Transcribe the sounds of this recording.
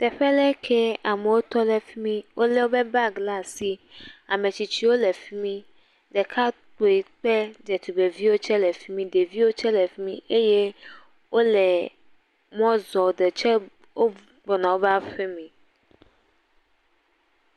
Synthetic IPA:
t̪ɛ˨ɸɛ˦lɛ˦kʰɛ˦a˨mɛ˨wo˦t̪ɔ˦lɛ˦fi˦mĩ˦wʔo˦lɛ˦wo˦bɛ˦ba˦ɡla˦si˦a˨mẽ˨t͡ɕi˨t͡ɕi˦wo˦lɛ˨fi˦mĩ˦ | dɛ˨kʰa˦to˨i˨k͡pɛ˦d͡ʒɛ˨t̪u˨be˨vi˦wo˦t͡ʃɛ˦lɛ˨fi˦mĩ˦de˨vi˦wo˦t͡ʃɛ˦lɛ˨fi˦mĩ˦e˦je˦ | wʔo˦lɛ˨ | mɔ̃˦zɔ˨de˨t͡ʃɛ˦ | wo˦ | bɔ˨nã˨wo˦ba˦ɸe˦mĩ˨

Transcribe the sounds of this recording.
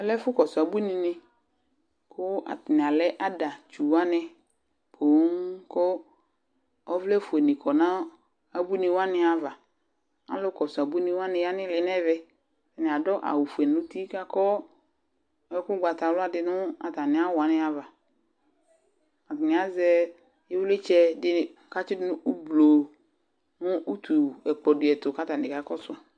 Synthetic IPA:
ɛ˦lɛ˦fʊ˦kɔ˨sʊ˨a˨bu˦nĩ˨nɪ̃˦ | kʰʊ˦a̰˨tɪ˨nɪ̃˨a˨lɛ˦ʔa˦da˨t͡ʃu˨wa˦nɪ˨ | pʰo˨˦ŋkɔ˦ | ɔ˦vlɛ˦fu˨e˨nɪ̃˨kʰɔ˨nã˦ | a˨bu˦nĩ˨wa˦nɪ̃˨a˨va˨ | a̰˨˦lʊ˦kɔ˨sʊ˨a˨bu˦nĩ˦wa˦nɪ̃˨ja˦nɪ̃˦lɪ˨˦nɛ˦vɛ˦ | fɛ˨nɪ˨a˨dɔ˦ʔa̰˨wu˨fu˨ɛ˨nʊ̃˦ti˦ka˦kɔ˦ | ɛ˦kʊ˦ɡ͡ba˨ta˨˦la˦dɪ˨nʊ̃˦a˨ta˨nɪ̃˨a˦wʊ˨a˨nɪ̃˦a˨va˨ | a˨tɪ˨nɪ̃˨a˨˦zɛ˦ | ɪ˦wlɪ˦t͡ʃɛ˦dɪ˦˨ka˦t͡ʃɪ˦dɪ˦nʊ̃˦u˦blo˨ | nʊ̃˦ʔu˦tʰu˨ɛ˨k͡pɔ˨dɪ˨ɛ˨tʊ˨ka˦ta˨nɪ̃˨ka˨kɔ˦sʊ˨a˨

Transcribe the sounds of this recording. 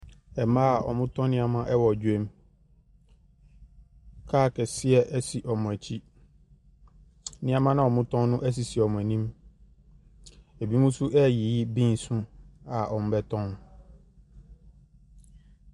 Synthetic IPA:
ɛ˨mã˦a˨ʔɔ̰˨mʊ̃˦tʰɔ̃˦nɪ̃˦a˦mã˦ʔɛ˦wɔ˨d͡ʑu˦e˦m˦ | kʰaː˦˨kɛ˨sɪ˦ɛ˦ʔɛ˦si˨ʔɔ˨mʊ̃˨æ˨t͡ɕʰi˦ | nɪ̃˦a˦mã˦nã˨ɔ˨mʊ̃˦tʰɔ̃˦nʊ̃˦ʔæ˦s̬i˨si˨ɛ˨ɔ˨mʊ̃˨æ˨nĩ˦m | e˨bi˦mũ˦su˦ʔɛ˦˨ji˨ji˦bĩ˦n˨sũ˦a˨ʔɔ˨m̃˦bɛ˦tʰɔ̃˦n

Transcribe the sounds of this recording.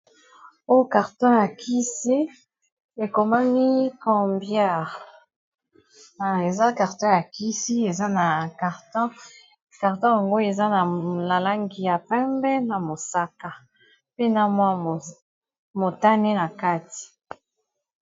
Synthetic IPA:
o˦jka˨ʁtɔ̃˦ja˨kʰi˦se˦ | e˨ko˨ma˦mi˦kɔ̃˨mbja˦ʁ | a˨e˨za˦ka˨ʁtɔ̃˦ja˨ki˦si˦e˨za˦na˨ka˨ʁtɔ̃˦ | ka˨ʁtɔ̃˦ja˨ŋɡo˦e˨za˦na˨la˨la˦ŋɡi˨ja˨pɛ̃˦mbɛ˦na˨mo˨sa˦ka˨ | pe˦na˦mwa˦˨ | mo˨ta˦ne˦na˨ka˦ti̥˨

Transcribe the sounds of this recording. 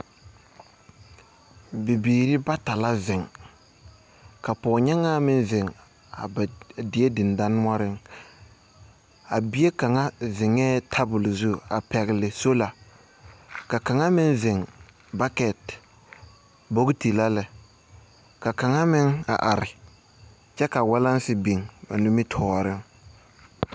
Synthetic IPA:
bɪ˨biː˨ɾɪ˦ba˦ta˨la˦vɪ˨ŋ | ka˨pɔː˨ɲɛ˦ŋa˦mɪ˦nvɪ˨ŋ | a̰˨dɪ˨˦e˦dɪ˨n˨da˦nʊ˦a˦ɾɪ˦ŋ | a˨bɪ˦e˦ka˨ŋa˦vɪ˨ŋɛː˦tʰa˦bʊ˨lzu˦a˨pɛ˨ɣlɪ˨so˦la˨ | ka˨ka˨ŋa˦mɪ˦nvɪ˨ŋ | ba˦kɛ˨t | bo˦ɡti˨la˦lɛ˨ | ka˨ka˨ŋa˦mɪ˦ŋa̰˨ʔa˨ɾɪ˨ | t͡ʃɛ˦ka˨wa˦la˦nsɪ˦bi˨ŋba̰˨nʊ˦mɪ˦tʰɔː˨˦ɾɪ˦ŋ

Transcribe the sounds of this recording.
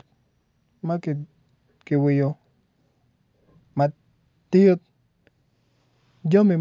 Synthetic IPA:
ma˦ki˨ | kɪ˨wɪ˨jo˨ | ma˨ | t̪ɪ˦jo˦t̪̚ | d͡ʒo˦mi˨

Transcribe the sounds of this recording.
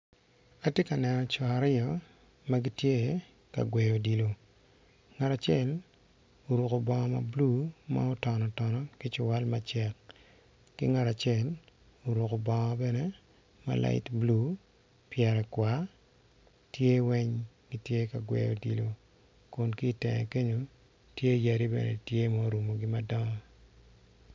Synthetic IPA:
a˦tje˦ka˨nɛ˨nɔ˨t͡ʃɔ˨a˨ɾɪɔ˦ | ma˦ɡi˦tje˦ | ka̰˨ɡwɛ˨jo˨di˨lo˨ | ŋa˨ta˨t͡ʃɪɛ˦l | o˨ɾu˨ko˨bɔ˨ŋɔ˦ma̰˨blu˦ma̰˦o˦tɔ˨nɔ˨tɔ˨nɔ˨kɪ˦t͡ʃʊ˨wa˦lma˦t͡ʃɛ˦k | kḭ˦ŋa˨ta˨t͡ʃjɛ˦˨l | o˨ɾu˨ko˨bɔ˨ŋɔ˦bɛ˦nɛ˦ | ma̰˨lʔa̰˨ɪ̰˦tblu˦ | pjɛ˨ɾɛ˨kwa˨ | tje˦wɛ˦ɲ | ɡi˦tje˦ka˨ɡwɛ̰˨jo̰˨di˨lo˨ | kʊ˨nki˦˨tɛ˨ŋɛ̰˨ke˦ɲo˨ | tje˦ja˨ɾi˦bɛ̰˨nɛ̰˨tje˦ma˦ɾu˨mo˨ɡɪ˦ma˦dɔ˦ŋɔ˦

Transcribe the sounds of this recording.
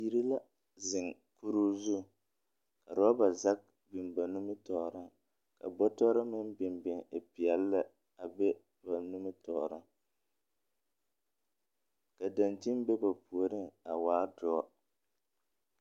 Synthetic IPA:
ji˦ɾi˦la˦ | zɪ˨ŋ | ku˦ɾu˦zu˦˨ | ka˨ɾɔ˦a˦ba˨za˦k̚ | bɪ˨nba˨nu˦mɪ˦tɔː˨ɾa˦ | ka̰˨bɔ˦tɔː˦ɾa˦mɪ˦nbɪ˨mbɪ˨ŋe˨pɪ˨ɛ˨lːa˦ | a˨bɛ˦ | ba˨nu˦mɪ˦tɔː˨ɾa˦ | ka˨da˨nti˦n˦bɛ˦ba˨pu˨o˨ɾɪ˦ŋa˨waː˦dʊ˦ɔ˦

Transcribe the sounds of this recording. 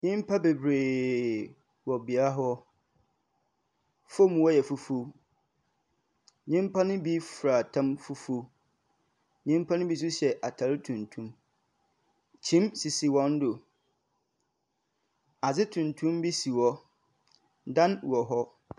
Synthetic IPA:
ɲĩ˦m˦pʰa˦be˨bɾeː˨ | wɔ˨bi˨a˦ɦɔ˦ | fo˦mũ˨wɔ˦jɛ˨fu˨fo˦ | ɲĩ˦m˦pʰa˦nʊ̃˦bi˦fɾa˨tʰã˦mfu˦fo˦ | ɲĩ˦m˦pʰa˦nʊ̃˦bi˦s̬u˦ɕɛ˨ʔa˨tʰa˨˦ɾtʰũ˨ntʰũ˦m | t͡ɕʰĩ˦msi˨si˨wɔ̃˦n˦dʊ˨ | a˨zɪ˦tʰũ˨ntʰũ˦mbi˦si˨wɔ˦ | dã˦nwɔ˨ɦɔ˦

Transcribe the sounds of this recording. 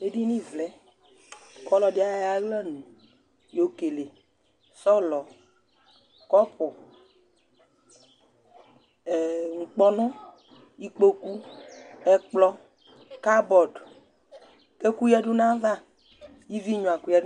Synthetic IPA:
e˦di˦nĩ˦vlɛ˨˦ | kɔ˦lɔ˨dɪ˦a˦ja˦ɡlɛ˦nũ˨ | jo˨ke˨le˨ | sɔ˦lɔ˨ | kɔ˦pʊ˨ | ŋ̩˨k͡pɔ˦nɔ̃˦ | i˦k͡po˦ku˦ɛ˦k͡plɔ˦ | ka˦bɔ˨d | ke˦ku˦jɛ˦dʊ˦nã˦va˦˨ | ji˦vi˦ɲɔ̃˨a˨ku˦jɛ˦

